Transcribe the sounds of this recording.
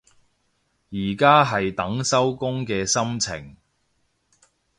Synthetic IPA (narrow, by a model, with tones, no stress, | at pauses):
jiː˨˩kaː˥ɦɐ˨jt̪ɐ˨˥ŋsɐ˥wkʊ˥ŋkɛː˧sɐ˥mt͡sʰɪ̰˨˩ŋ